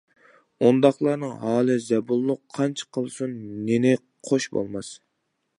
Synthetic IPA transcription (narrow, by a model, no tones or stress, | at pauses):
ond̪ɑχlˠɑɾnɨŋɦɑːlˠɨzɛbulˠːʊqʰːɑnt͡ʃʰqʰəlˠsunːenɪ | qʰoʃbo̰lˠmɑs